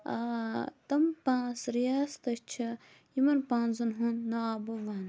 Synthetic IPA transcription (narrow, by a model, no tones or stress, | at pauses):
at̪ɐmpãːsɾijaːst̪ɐʃt͡ʃʰɐ | jimɐnpãːnzɐnɦunːɐaːbɐʋaːn